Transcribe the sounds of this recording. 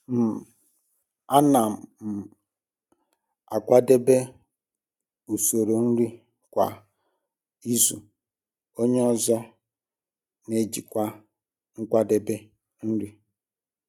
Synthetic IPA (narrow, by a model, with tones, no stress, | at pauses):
m̩˨ | a˦na˨m˨m̩˨ | a̰˨kʷa˦de˦be˦ | u˨so˨ɾo˨n̩˦ɾi˦ | kʷa̰˨ | i˦zu˨ | o˦ɲe˦ɔ˦zɔ˦ | ne˦d͡ʒi˨kʷa˦ | ŋ̩˦kʷa˦de˦be˦ | n̩˦ɾi˦